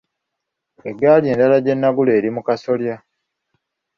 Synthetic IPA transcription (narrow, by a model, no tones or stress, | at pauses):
e̞ɡalie̞ːndalaɟe̞nːaɡule̞ːɾimukaso̞lja